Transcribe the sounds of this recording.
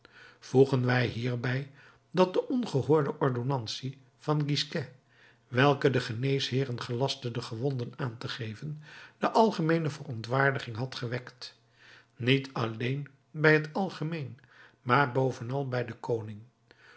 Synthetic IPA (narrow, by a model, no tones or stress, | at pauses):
v̥uχənʋɛjɦiːɹbɛj | dɑt̚dəʔɔnχəɦʊːɹdəʔɔɹdonɑnsi | v̥ɑnɡiskɛ | ʋɛlˠkədəχənejsɦɪːrənχəlɑstədəχəʋɔndənaːntəχejvənd̥əʔɑlˠχəmejnəvərɔntʋaːɹdəχɪŋɦɑtχəʋɛkt | nitʰɑlejn | bɛjɦətɑlˠχəmejn | maːɹbowvənɑlˠbɛjdəkownɪŋ